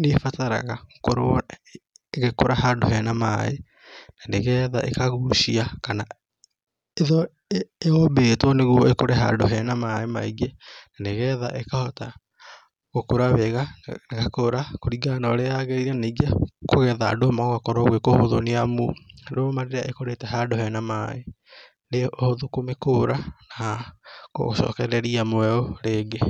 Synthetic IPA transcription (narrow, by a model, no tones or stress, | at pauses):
nefataɾa̰ɣakoɾo | ɣekoɾahado̰hɛnama̰e | naneɣɛða̰ʔḛkaɣuʃiakana | eðɔ | eɔbetwɔneɣwɔekoɾɛɦa̰doɦɛnamaema̰iɡenaneɣɛða̰ʔekahɔta | ɣokoɾaβɛɣanekakoɾakoɾiɡanɔɾeaɣeɾiɾɛneɡiakoɣɛðadomaɣakɔɾoɣwekohoðoneamudomaɾeɾeaʔekoɾetɛɦadohɛnamae | neohoðokomekoɾana | ko̰ʃɔ̰kɛɾɛɾiamoɛoɾeːɡe